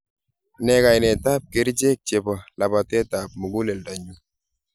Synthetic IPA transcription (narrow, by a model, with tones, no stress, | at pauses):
nɛ˨ka˨jnɛ˨ta˦p̚ke˨˦ɾd͡ʒe˦k̚t͡ʃe˨bɔ˨la˨ba˨tɛ˦ta˨pmʊ˨ɡu˦lɛ˨lda˨ɲu˦